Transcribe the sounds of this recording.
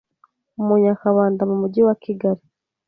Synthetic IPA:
umuɲakaβaːndamumuɟiwakiɡaɾi

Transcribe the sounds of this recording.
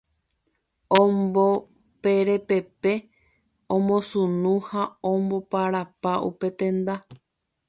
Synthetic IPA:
õmbo | peɾe̞pe̞pe̞ | õmõsũnũhaõmbo̞paɾapaʔṵpe̞t̪ẽ̞nd̪a

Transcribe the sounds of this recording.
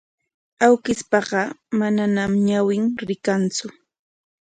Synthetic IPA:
awkɪspɑɢɑmananamɲawɪŋɾɪkant͡sʊ

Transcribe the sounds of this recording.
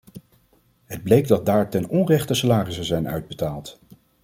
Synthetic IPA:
ɦəd̚blejɡdɑd̚daːɹtɛnɔnrɛχtəsalaːrisəzɛjnœ̰ɥd̚bətaːlˠt

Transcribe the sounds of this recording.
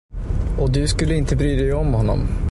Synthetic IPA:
ɔd̪ɵskɵlːəɪnt̪əbɾyːd̪ɛjɔmhɔnːɔ̰m

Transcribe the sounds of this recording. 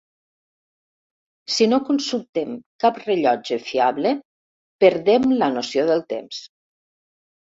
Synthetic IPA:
sinokunsulˠt̪emkapreʎɔd͡ʒefiaβle | pəɾðemlənosioðəlˠt̪ḛms

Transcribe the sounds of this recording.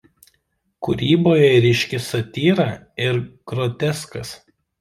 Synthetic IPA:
kʊɾʲiːboːjɛɾʲɪʃʲkʲɪsɐt̪ʲiːɾɑː | ɪɾkɾɔt̪ʲɛskɐs

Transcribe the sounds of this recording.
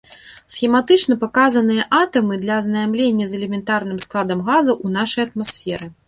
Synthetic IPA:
sxʲimat̪ɨt͡ʂnɐpakazɐnɨjɐʔat̪ɐmɨd̪lʲɐːznajmlʲenʲːɐzɛlʲɛmʲɛnt̪arnɨmsklˠad̪ɐmɣazuʔun̪aʂɐjɐt̪̚masʲfʲɛɾɨ

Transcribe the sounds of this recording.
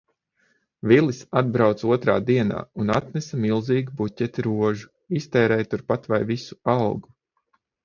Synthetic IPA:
vilˠisad̪̚bɾawt̪suɔt̪ɾa̰ːd̪iɛna̰ːunat̪nɛsɐmilˠziːɡubutʲɛt̪iɾuɔʒu | ist̪ɛːɾɛjt̪uɾpat̪vajvisu̥awɡu

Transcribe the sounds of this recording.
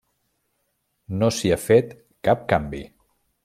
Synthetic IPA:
nosiafet̪ | kap̚kambḭ

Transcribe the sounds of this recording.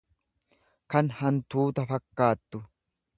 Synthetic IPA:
kɐnhɐnt̪uːt̪ɐfɐkːaːt̪ːʊ

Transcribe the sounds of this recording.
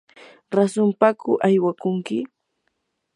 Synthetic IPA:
ɾasʊmpakʊʔajwakʊŋkɪ

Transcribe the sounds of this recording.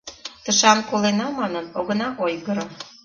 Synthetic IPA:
t̪əʃɑmkolenɑmɑnənoɣə̆nɑʔojɣəɾo

